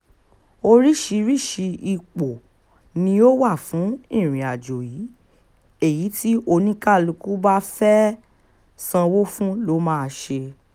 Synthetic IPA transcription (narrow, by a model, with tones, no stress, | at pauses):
o˧ɾi˦ʃi˧ɾi˦˨ʃi˧i˧˨k͡po˨ | nĩ˧˦o˦wa˦˨fũ˨˦ĩ˦˨ɾ̃ĩ˨a˨d͡ʒo˨ji˨˦ | e˦˨ji˨˦ti˦o˧nĩ˦ka˦˨lu˧ku˦ba˦fɛ˦ | sã˧wo˦fũ˦lo˨˦mãː˦˧ʃe˧